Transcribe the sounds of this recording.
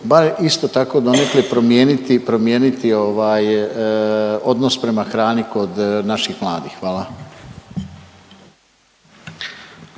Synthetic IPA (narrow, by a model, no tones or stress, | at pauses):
baɾist̪o̞t̪ako̞d̪o̞neklipɾomjeːnit̪ipɾo̞mje̞ːnit̪ioʋaːj | o̞d̪nospɾe̞maxɾaːniko̞d̪naʃixmlˠaːd̪ixːʋaːlˠa